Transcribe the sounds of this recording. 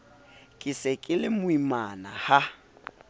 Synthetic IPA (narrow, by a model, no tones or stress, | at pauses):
kʼɪsɛkʼɪlɪmʊimanaha